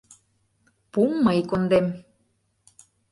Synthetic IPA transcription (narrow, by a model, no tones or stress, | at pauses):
pumːɤjkond̪em